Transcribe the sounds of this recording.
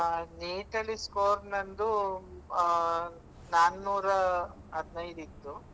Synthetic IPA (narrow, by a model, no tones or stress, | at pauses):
niːʈɐliskoːɾnɐnd̪u | naːnːuːɾɐ | ɦɐd̪nɐjd̪it̪ːu